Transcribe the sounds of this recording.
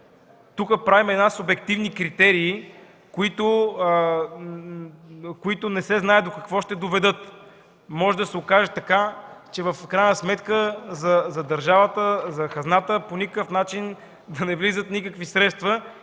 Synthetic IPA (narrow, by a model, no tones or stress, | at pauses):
t̪ukəpɾavimɛd̪nasobɛk̚t̪ivnikɾit̪ɛɾiː | koit̪ʊ | koit̪ʊnɛsɛznaɛd̪okɐkvɔʃt̪ɛd̪ovɛd̪ɤt̪ | mɔʒɛd̪ɐsɛokaʒɛt̪ɐkat͡ʃɛvəfkɾajnəsmɛt̪kəzɐzɐd̪ɐɾʒavət̪əzɐxɐznat̪əponikəkəfnat͡ʃin | d̪ɐnɛvlizət̪nikəkvisɾɛt̪st̪və